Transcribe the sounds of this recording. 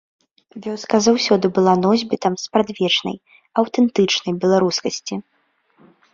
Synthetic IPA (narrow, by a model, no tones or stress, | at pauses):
vʲɔskɐzawsʲɔd̪ɨbɨlˠanɔzʲbʲit̪ɐmspɾad̪ʲvʲɛt͡ʂnɐ̰j | ɐwt̪ɛnt̪ɨt͡ʂnɐjbʲɛlˠaɾuskɐsʲt͡sʲi